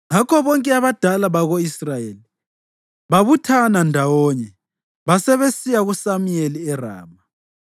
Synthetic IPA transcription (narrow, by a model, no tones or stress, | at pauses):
ŋakʰɔβɔŋkʼɛaβad̥ʱalaβaɣoisrajeːli | βaβutʰanandʱawɔɲɛ | βasɛβesijaɣusamujeliɛra̰ːma